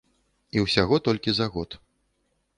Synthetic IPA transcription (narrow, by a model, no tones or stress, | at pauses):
iwsʲaɣɔt̪ɔlʲkʲizaɣɔt̪